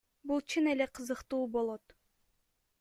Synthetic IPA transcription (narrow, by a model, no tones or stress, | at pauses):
bulˠt͡ʃʰɯnele̞qʰɯzɯqt̪uːbo̞lˠo̞t̪